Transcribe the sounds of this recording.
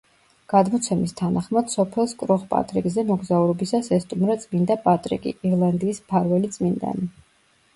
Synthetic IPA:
ɡ̥ad̪mɔt̪sʰɛmist̪ʰanaχmad̪̥sɔpʰɛlˠskʼɾɔχpʼa̰t̪ʼɾikʼzɛmɔɡzauɾɔbisasɛst̪ʼumɾat̪sʼmind̪apʼat̪ʼɾḭkʼḭiɾlˠand̪iːspʰaɾvɛlit̪sʼmind̪a̰ni

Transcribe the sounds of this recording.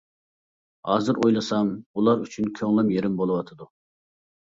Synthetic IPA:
hɑːzɨɾʔojlˠɨsɑmulˠɑɾyt͡ʃʰynkʲʰøŋlˠɛmjeɾɪmbolˠɨwɑt̪ʰɨd̪u

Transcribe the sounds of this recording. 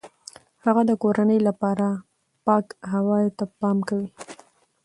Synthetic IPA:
haɣad̪əkoɾanəjlapɑɾa | pɑkɦawɑjt̪apɑmkawi

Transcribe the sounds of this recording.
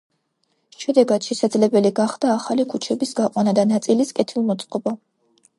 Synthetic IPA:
ʃɛd̪ɛɡad̪̥ʃɛsad̪zlɛbɛliɡaχd̪aːχalikʰut͡ʃʰɛbisɡaqʼwanad̪anat̪sʼiliskʼɛt̪ʰilˠmɔt̪sʼqʼɔba

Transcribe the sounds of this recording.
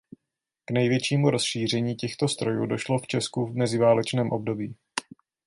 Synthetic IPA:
knɛjvjɛt͡ʃiːmuɾo̞sʃiːr̝ɛɲiːcɛxt̪o̞st̪ɾo̞jṵːdo̞ʃlo̞ft͡ʃɛskuvmɛzɪvaːlɛt͡ʃnɛːmʔo̞b̚do̞biː

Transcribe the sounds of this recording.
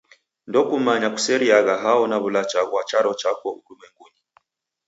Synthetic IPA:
ndɔkumaɲaku̥sɛɾiaɣaɦaɔnaβulat͡ʃawat͡ʃaɾɔt͡ʃakɔuuɾumɛŋɡuni

